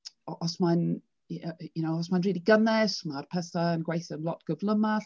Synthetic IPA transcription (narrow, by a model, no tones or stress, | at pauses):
ɔʔɔsmãn | jənoʊɔsmãɪ̃nɹiːliɡənðɛsmad̥̚pʰɛsəə̃nɡweɪθənlɔtɡ̥ʊdvləmə